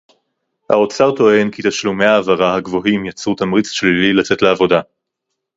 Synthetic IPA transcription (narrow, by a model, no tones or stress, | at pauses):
ha̰o̞t͡saʁt̪o̞e̞nkit̪aʃlumeaːvaʁahaɡvo̞ɦimjat͡sut̪amʁit͡sʃlililat͡se̞tleavo̞da